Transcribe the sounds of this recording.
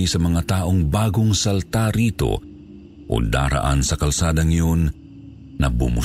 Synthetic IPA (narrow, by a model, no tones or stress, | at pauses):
ijsɐmɐŋat̪aːʔoŋbaːɡoŋsɐlt̪aɾiːt̪o̞̰ | ʔo̰d̪a̰ːɾa̰ʔa̰nsɐkɐlsaːd̪ɐŋjonː | ɐbʊmʊ